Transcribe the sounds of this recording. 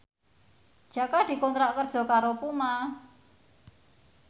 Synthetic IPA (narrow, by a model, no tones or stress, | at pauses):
d̥ʒ̥a̤kad̪̥i̤kɔnt̪ɾaʔkərd̥ʒ̥ɔ̤kaɾopuma